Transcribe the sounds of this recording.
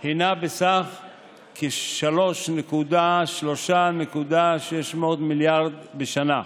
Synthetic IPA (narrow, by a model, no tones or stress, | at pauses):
hinabesaχ | keʃalo̞ʃnekud̪aʃlo̞ʃanekud̪aʃeʃmootmiljaʁd̪beʃana